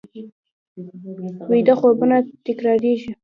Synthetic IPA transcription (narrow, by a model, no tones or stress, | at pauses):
wed̪axobənat̪ɪkɾɑɾeʒi